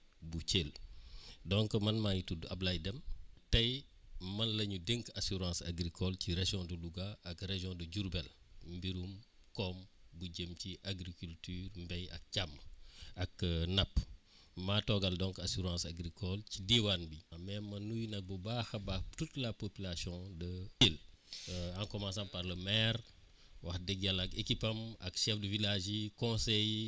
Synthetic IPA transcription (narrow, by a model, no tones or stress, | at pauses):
buceːl | dɔŋkəmɐnmajitudɐblɐjdɛmtɐj | mɐnlɐɲudeŋkasuɾɑ̃ːsa̰ɡɾikʰɔlciɾeʒjɔ̃duluɡaʔɐkreʒjɔ̃duɟuɾbɛlmbiɾumkɔmbuɟəmciʔaɡɾikyltyːrmbɛjɐ̰k̚camːɐknɐpː | matɔɡɐldɔ̃ŋkasuɾɑ̃ːsaɡɾikɔlcidiwanbimɛnmɐnujnɐk̚bəbaxɐbatutlɐpopilasjɔ̃dəil | ãŋkɔmãnsɐ̃mpɐɾləmɛɾ | wɐxdɛɡɐlɐkekipɐmɐ̰kʃɛfdəvilaʒikɔ̃sɛj